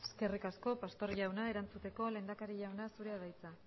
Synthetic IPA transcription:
eske̞rikasko̞past̪o̞ɾʝawnae̞ɾant͡sut̪e̞ko̞le̞nd̪akaɾiʝawnasuɾe̞aðajt͡sa

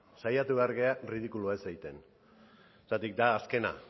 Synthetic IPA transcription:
sajat̪uβe̞aɾɣe̞arið̞ikuluaesajt̪e̞n | t̪at̪ik̚d̪aːske̞na̰

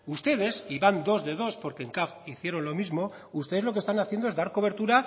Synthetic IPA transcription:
ust̪e̞ð̞e̞siβand̪o̞zðe̞ð̞o̞spo̞ɾkeːŋkafiθje̞ɾo̞nlo̞mizmo̞ | ust̪eðe̞zlo̞k̬est̪anaθjend̪oezðaɾko̞βe̞ɾt̪uɾa

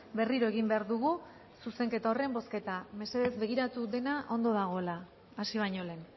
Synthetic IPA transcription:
be̞riɾo̞e̞ɣ̞imbe̞aɾðuɣu | suse̞ŋke̞t̪ao̞re̞mbo̞ske̞t̪ame̞se̞ðe̞zbe̞ɣ̞iɾat̪uðe̞naʔo̞nd̪o̞ðaɣ̞o̞elaː | siβ̞aɲo̞len

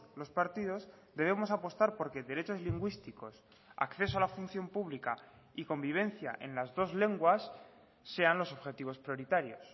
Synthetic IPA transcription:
lo̞spaɾt̪ið̞o̞zd̪e̞β̞e̞mo̞sapo̞st̪aɾpo̞ɾke̞ðe̞ɾe̞t͡ʃo̞zliŋɡwist̪iko̞s | a̰kθe̞soalafun̟θjo̞mpuβlika | iko̞mbiβ̞e̞n̟θja̰ʔe̞nlazðo̞zle̞ŋɡwasː | e̞anlo̞so̞βxe̞t̪iβ̞o̞spɾjo̞ɾit̪aɾjo̞s

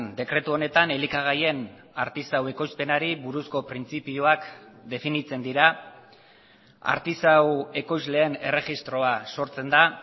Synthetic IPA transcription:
nd̪e̞kɾe̞t̪uo̞ne̞t̪ane̞likaɣ̞aje̞n | aɾt̪isawe̞ko̞jspe̞naɾiβuɾusko̞pɾint͡sipioakd̪e̞finit͡se̞nd̪iɾa | a̰ɾt̪isawe̞ko̞jzle̞ːne̞re̞ɣist̪ɾo̞aso̞ɾt͡se̞nd̪a

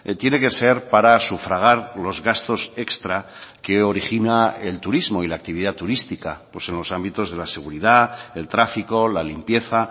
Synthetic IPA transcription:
t̪je̞ne̞ke̞se̞ɾpaɾasufɾaɣ̞aɾlo̞zɣast̪o̞se̞kst̪ɾa | ke̞o̞ɾixinaelt̪uɾizmo̞ilaːk̚t̪iβ̞iðat̪uɾist̪ikapwose̞nlo̞sambit̪o̞zð̞e̞lase̞ɣ̞uɾiðae̞lt̪ɾafiko̞lalimpje̞θa

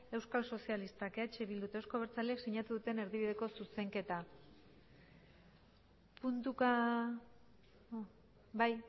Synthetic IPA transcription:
e̞wskalso̞sialist̪akeat͡ʃeβild̪ut̪ewsko̞β̞eɾt͡saleeksiɲat̪uðut̪e̞ne̞ɾðiβiðe̞ko̞suse̞ŋke̞t̪a | punt̪uka | baj

